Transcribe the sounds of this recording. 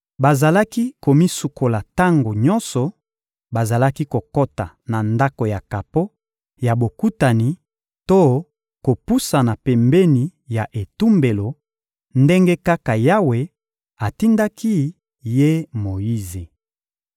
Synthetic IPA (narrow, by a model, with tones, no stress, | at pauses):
ba˨za˨la˦ki˦ko˨mi˦su˨kʰo˨la˨ta˦ŋɡo˨ɲɔ˦nsɔ˨ | ba˨za˨la˦ki˦ko˨ko˦ta˨ | na˨nda˦ko˨ja˨ka˨po˦ | ja˨bo˨ku˦ta˨ni˨ | to˦ | ko˨pu˦sa˨na˨pɛ˨mbe˦ni˨ja˨ʔe˨tu˦mbe˨lo˨ | nde˦ŋɡe˦ka˦ka˨ja˦we˨ | a˨ti˦nda˦ki˦ | je˦mo˨ji˦ze˨